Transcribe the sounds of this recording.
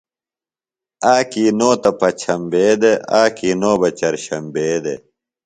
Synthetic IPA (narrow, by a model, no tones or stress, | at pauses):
aːkiːnoːt̪ɐpɐt͡ɕʰɐmbeːd̪eaːkiːnoːbɐt͡ɕɐɾɕɐmbeːd̪e